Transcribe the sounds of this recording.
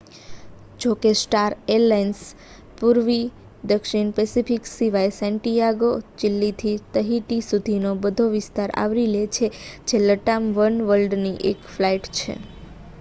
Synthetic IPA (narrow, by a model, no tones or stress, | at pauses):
d͡ʒokesʈaɾelajns | puɾʋi | d̪əkʃiɳpɛsifiksiʋajsɛ̃ɳʈijaɡod͡ʒɪlːit̪ʰit̪əɦiʈisud̪ʱinobəd̪ʱoʋɪst̪aɾa̰ʋɾilet͡ʃʰed͡ʒeləʈamʋənʋəlɖniʔḛkflaiʈt͡ʃʰḛ